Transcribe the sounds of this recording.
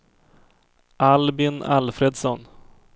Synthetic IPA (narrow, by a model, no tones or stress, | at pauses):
ʔalbɪna̰lfɾed̪sɔn